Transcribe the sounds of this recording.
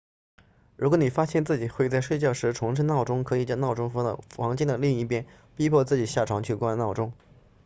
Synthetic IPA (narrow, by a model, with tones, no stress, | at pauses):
ɻu˧˥kwni˨˩fa˥ɕjɛ˥˧nt͡sɹ̩˥˩t͡ɕi˨˩xwe˥˧ɪt͡sa˥˧ɪʂwe˥˧ɪt͡ɕjɑ˥˩ʊʂɻ̩˧˥ʈ͡ʂʰʊ˧˥ŋʂʰə˥nɑ˥˩ʊʈ͡ʂʊ˥ŋkʰɤ˧˥i˨˩t͡ɕjɑ˥˧nɑ˥˩ʊʈ͡ʂʊ˥ŋfɑ̰˧˥˧ɑ˧˥ŋt͡ɕi˥nd̪ə˨˩li˥˧ŋi˥˩pjɛ˥n | pi˥pʰwɔ˥˧t͡sɹ̩˥˩t͡ɕi˨˩ɕja˥˩ʈ͡ʂʰwɑ˧˥ŋt͡ɕʰy˥˩kwa˥nnɑ˥˩ʊʈ͡ʂʊ˥ŋ